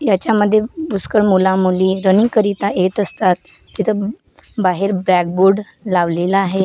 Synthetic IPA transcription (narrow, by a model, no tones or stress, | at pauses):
jat͡ɕjaməd̪ʱːjebuskəɭmulãmuliːɾənikəɾit̪aʔjet̪əst̪at̪̚ | kit̪ʰə | baɦeɾbɾɛk̚buɾɖ | laʋlelaaɦe